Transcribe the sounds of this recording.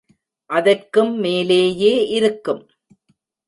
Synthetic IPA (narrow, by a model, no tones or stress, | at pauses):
ʔɐðɐrkɯmːeːleːjeːʔɪɾɯkːɯm